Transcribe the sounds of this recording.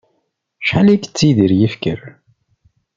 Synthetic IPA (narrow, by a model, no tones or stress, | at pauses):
ʃħalækt͡sːiðiɾjəfkəɾ